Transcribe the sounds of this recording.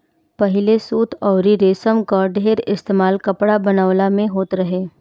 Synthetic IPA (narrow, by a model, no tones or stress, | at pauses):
pɐɦɪlesuːt̪ʰɔːɾiɾeːsəmkɔːɾɖeːɾɪst̪eːmaːlkɐpɽabɐnaːʋlamẽɦoːt̪ɾɐɦeː